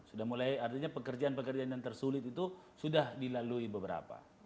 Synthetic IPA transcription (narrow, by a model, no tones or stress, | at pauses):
sudahmulajart̪iɲapəkərd͡ʒaanpəkərd͡ʒaandant̪ərsulɪt̪it̪u | sudahdilaluibəbəɾa̰pa̰